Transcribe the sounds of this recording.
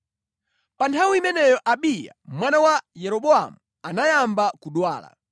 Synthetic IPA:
pantʰawiimɛnɛjɔʔaɓija̰mwanawajɛɾɔɓɔa̰mu | anajambakuɗwaːla̰

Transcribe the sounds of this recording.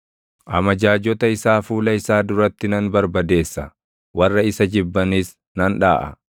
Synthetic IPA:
ʔɐmɐd͡ʒaːd͡ʒɔt̪ɐɪsaːfuːlɐɪsaːd̪ʊɾɐt̪ːɪnɐnbɐɾbɐd̪e̞ːsːɐ | wɐrːɐɪsɐd͡ʒɪbːɐniːs | nɐnᶑa̰ːʔɐ̰

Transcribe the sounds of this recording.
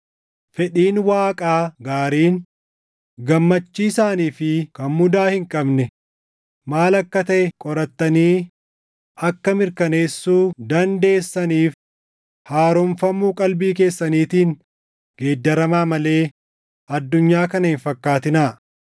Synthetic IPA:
fɛᶑiːnwaːkʼaːɡaːɾiːn | ɡɐmːɐt͡ʃːiːɪsaːniːfɪkɐnmʊd̪aːhɪŋkʼɐbnɛ | maːlɐkːɐt̪ɐʔɛkʼɔɾɐt̪ːɐniː | ɐkːɐmɪɾkɐne̞ːsːuːd̪ɐnd̪e̞ːsːɐniːf | haːɾɔmfɐmːuːkʼɐlbiːk̬e̞ːsːɐniːt̪iːŋ | ɡ̥e̞ːd̪ːɐɾɐmaːmɐle̞ː | ʔɐd̪ːʊɲːaːkɐnɐhɪnfɐkːaːt̪ɪnaː

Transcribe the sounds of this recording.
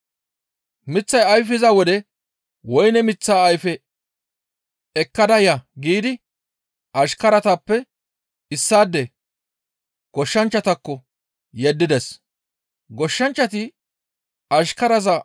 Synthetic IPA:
mɪt͡sːɐjɐjfɪzɐwɔd̪ɛ | wɔjnɛmɪt͡sːaːjfɛ | ɛkːɐd̪ɐjɐɡiːd̪ɪ | ʔɐʃkɐɾɐt̪ɐpːɛ | ɪsːaːd̪ːɛ | ɡ̥ɔʃːɐnt͡ʃːɐt̪ɐkːɔ | jɛd̪ːɪd̪ɛs | ɡɔʃːɐnt͡ʃːɐt̪ɪ | ɐʃkɐɾɐzɐ

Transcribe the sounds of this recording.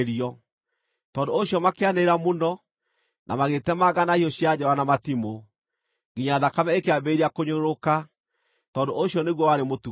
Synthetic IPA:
ɾiɔ | tɔːndooɕiɔmakeaneeɾamonɔ | nʔa̰maɣetɛmaɣanahiɔɕjad͡ʑɔwanamatimo | ŋɡiɲaðakamɛekeabeiɾiakoɲoɾoka | tɔːndoʔoɕjɔneɣwɔwaɾemotu

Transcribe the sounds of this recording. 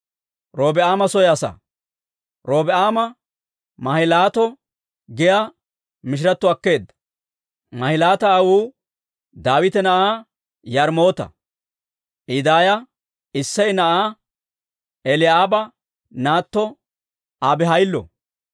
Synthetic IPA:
ɾo̞ːbɛaːmɐsɔjɛɐsɐ̰ | ɾo̞ːbɛʔaːmɐ | mɐhɪlaːt̪ɔ | ɡɪja | mɪʃ̬ɪɾɐt̪ːʊɐkːe̞ːd̪ːɐ̥ | mɐhɪlaːt̪ɐːwuː | d̪aːwɪt̪ɛnɐʔaː | jɐɾmo̞ːt̪ɐ̰ | ʔɪd̪aːjɐ | ɪsːɐjnɐʔaː | ɛlɪaːbɐ | naːt̪ːɔ | abɛɦɐjlːɔ̰

